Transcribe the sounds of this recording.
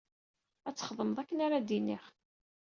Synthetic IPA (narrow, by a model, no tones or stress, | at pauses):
æt͡sːə̥χəðˤəməðˤækːənaɾad̪iniχ